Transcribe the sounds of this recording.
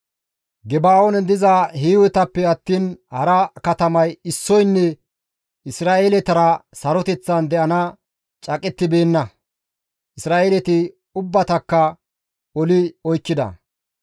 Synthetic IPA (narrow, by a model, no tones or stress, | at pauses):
ɡɛbaːonɛd̪ɪzaːhiːwɛt̪ɐpːɛɐt̪ːiːnhɐɾɐkɐt̪ɐmɐjɪsːɔjnːɛ | ɪsɾaːeːlɛt̪ɐɾɐsɐɾɔt̪ɛt͡sːɐnd̪ɛʔɐnɐ | t͡ʃʼɐkʼɛt̪ːɪbe̞ːnːɐ | ʔɪsɾaːʔeːlɛt̪ɪ | ʊbːɐt̪ɐkːɐ | ɔlɪɔjkːɪd̪ɐ̰